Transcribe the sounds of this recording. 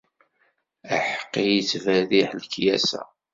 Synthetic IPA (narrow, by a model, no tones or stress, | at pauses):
əħə̥qːijit͡sːvæðiħlkːjæsæ̰